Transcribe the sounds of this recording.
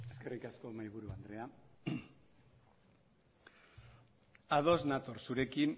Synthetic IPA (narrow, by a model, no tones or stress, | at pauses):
e̞ske̞rikasko̞majβ̞uɾuand̪ɾe̞a | að̞o̞znat̪orsuɾe̞kin